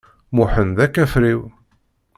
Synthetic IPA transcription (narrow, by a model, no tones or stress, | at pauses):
mʊħənðækːæfɾiw